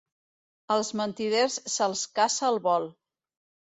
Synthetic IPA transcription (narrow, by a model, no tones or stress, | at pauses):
əlˠzmənt̪iðersːəlˠskasəːlˠβɔl